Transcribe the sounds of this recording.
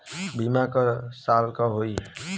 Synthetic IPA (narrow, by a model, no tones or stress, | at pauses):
bʱimakɔsalkɔɦoiɦ